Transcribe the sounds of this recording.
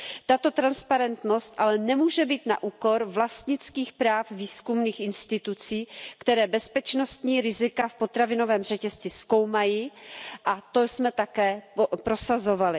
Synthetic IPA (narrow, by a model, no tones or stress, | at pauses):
t̪at̪o̞t̪ɾanspaɾɛnt̪no̞st̪ʔalɛnɛmuːʒɛbiːt̪na̰ʔuːko̞ɾvlast̪ɲɪt͡skiːxpɾaːfviːskumniːxʔɪnst̪ɪt̪ut͡siːkt̪ɛɾɛːbɛspɛt͡ʃno̞st̪ɲiːɾɪzɪkafpo̞t̪ɾavɪno̞vɛːmr̝ɛcɛst͡sɪsko̞wmajiːʔat̪o̞smɛt̪akɛːopɾo̞sazo̞valɪ